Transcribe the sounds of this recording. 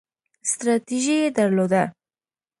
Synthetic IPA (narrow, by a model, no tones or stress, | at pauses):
st̪ɾat̪iʒied̪aɾlod̪a